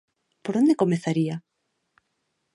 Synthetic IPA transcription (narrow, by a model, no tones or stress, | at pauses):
poɾond̪ekomeθaɾia